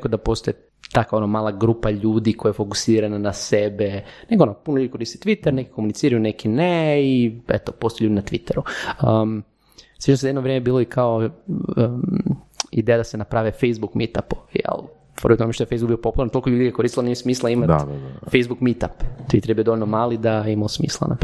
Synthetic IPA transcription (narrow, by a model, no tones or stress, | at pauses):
kod̪apo̞st̪oje | t̪akʋaonomaːlˠaɡɾuːpaʎuːd̪iko̞jajefo̞ku̥siːɾananasebeneɡonopunoʎud̪ikoɾist̪e̥t̪ʋit̪eɾneki̥komunit̪siːɾajunekineiḛt̪oposoeʎud̪nat̪ʋit̪eɾuə | sʋit͡ʃnosjed̪noʋɾjemebiːloikʰao | ḭd̪ejad̪asenapɾaʋefejzbukmit̪apojɛ̰l | poɾit̪omeʃt̪ojfejzbuɡbiopo̞pulaɾnt̪olkoʎuːd̪iɡakoɾisilanimosmiːslˠaimat̪fejzbukmit̪apt̪ʋit̪eɾjbijod̪oolʲnomaːlid̪aimaosmḭːslˠa̰na̰p